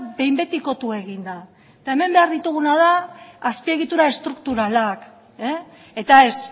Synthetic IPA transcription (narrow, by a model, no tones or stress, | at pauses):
be̞jmbe̞t̪iko̞t̪ue̞ɣ̞ind̪a | et̪ae̞me̞mbe̞aɾðit̪uɣ̞unað̞aːspie̞ɣit̪uɾae̞st̪ɾuk̚t̪uɾalak | e | e̞t̪aes